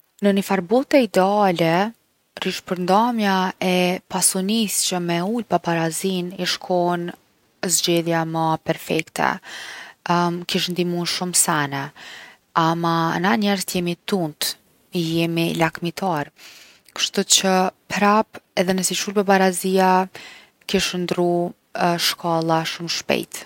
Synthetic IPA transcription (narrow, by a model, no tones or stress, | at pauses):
nənəfaɾbɔt̪ɛid̪ɛalɛ | riʃpəɾnd̪amjaɛpasɔnist͡ɕəmɛulpabaɾaziniʃkʰɔn | zd͡ʑɛðjamapɛɾfɛkt̪ʰɛ̰ | kiʃnd̪imunʃumsanɛ | amanaɲɛɾzt̪jɛmit̪unt̪ | ijɛmilakmit̪ʰaɾ | kə̥ʃt̪ut͡ɕəpɾapɛðɛnəsit͡ʃulpabaɾazija | kiʃnd̪ɾu | ʃkʰalˠaʃumʃpɛ̰jt̪